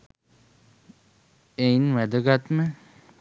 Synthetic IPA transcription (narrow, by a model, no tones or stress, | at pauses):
einʋæd̪əɡat̪mə